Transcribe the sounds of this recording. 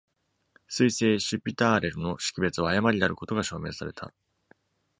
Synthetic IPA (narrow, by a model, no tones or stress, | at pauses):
sɨise̞ːɕɨpʲːit̪aːɾe̞ɾɯ̟no̞ɕi̥kʲibe̞t͡sɨβaːjamaɾʲinaɾɯ̟ko̞t̪o̞ɡaɕo̞ːme̞ːsaɾe̞t̪ʰa̰